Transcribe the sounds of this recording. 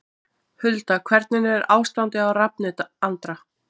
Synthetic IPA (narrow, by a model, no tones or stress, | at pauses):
hʏlt̪akʰvɛɾt̪̚nɪnɪɛɾʔaːwst̪ant̪ɪawrap̚nɪt̪ant̪ɾa